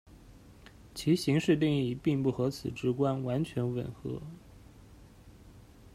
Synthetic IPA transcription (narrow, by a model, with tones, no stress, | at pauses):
t͡ɕʰi˧˥ɕi˧˥ŋʂɻ̩˥˧t̪i˥˧ŋi˧˩pi˥˧ŋpu˥˩xɤ˧˥t͡sʰɹ̩˨˩ʈ͡ʂɻ̩˧˥kwa˥nwa˧˥nt͡ɕʰɥɛ˧˥nwə̰˨˩nxɤ̰˧˥